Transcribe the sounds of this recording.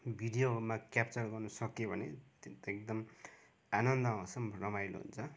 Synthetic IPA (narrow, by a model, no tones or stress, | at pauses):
bʱiɖijomakjap̚t͡sʌrɡʌrnʌsʌkjobʱʌnḛt̪t̪ek̚d̪ʌm | anʌnd̪ʌãsʌmrʌmajlo̰ɦṵnt͡sʰʌ